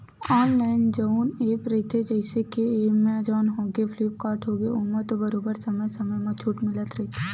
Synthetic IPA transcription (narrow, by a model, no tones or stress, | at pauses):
ɔːnlaːɪnd͡ʒɐuneːpɾɛɦɪt̪ʰed͡ʒəɪsekeeːmẽɐd͡ʒaːnɦoːɡefʰliːp̚kaːʈʰɦoːɡeʊməɾt̪obɐɾoːbəɾsɐməjsɐməjmɐ̃t͡ʃʰuːʈmɪlət̪ɾɛɦt̪ʰe